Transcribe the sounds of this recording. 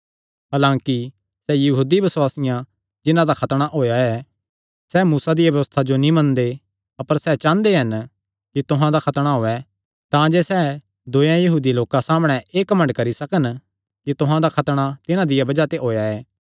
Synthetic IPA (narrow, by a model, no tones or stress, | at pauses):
ɦaːlãːki | sɛjɐɦuːd̪ibɐswaːsɪjã | d͡ʒɪnãd̪akʰɐt̪ɽ̃aʔɦoːjaɛː | sɛːmuːsad̪ɪjabjɐʋəst̪ʰad͡ʒonĩmɐ̃nd̪e | ɐpəɾsɛt͡ʃãːnd̪eɦɐn | kit̪ʊɦãd̪akʰɐt̪ɽ̃aɦoːɛ | t̪ãd͡ʒeːsɛ | d̪oːjãjɐɦuːd̪iloːkasaːmɽ̃ɛʔeːkɐmə̃ɳɖkɐɾisɐkən | kit̪ʊɦãd̪akʰɐt̪ɽ̃at̪ɪnãd̪ɪjabɐd͡ʒat̪eɦoːjaɛː